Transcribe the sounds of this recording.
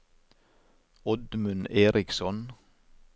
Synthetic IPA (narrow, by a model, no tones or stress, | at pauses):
ɔd̪mʉneːɾʔɪksɔn